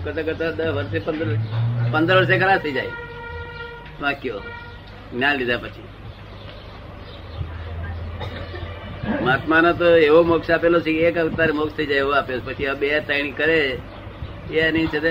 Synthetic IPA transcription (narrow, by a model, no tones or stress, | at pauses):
kəɾt̪akəɾt̪ad̪əʋəɾsepənd̪əɾpənd̪əɾʋəɾs̬ekʰəɾat̪ʰəid͡ʒaj | ʋãkjo | ɡnjanlid̪ʱapət͡ʃʰi | mat̪manot̪oeʋomoksʃapelot͡ʃʰeekat̪aɾemokst̪ʰəid͡ʒajeʋoapeoepət͡ʃʰiabet̪əiɽ̃ikəɾe | enĩt͡ʃʰet̪e